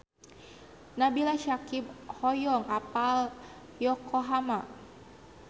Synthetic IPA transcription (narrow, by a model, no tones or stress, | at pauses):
nabilaʃakib̚hɔjɔŋapal | jɔkʰɔɦama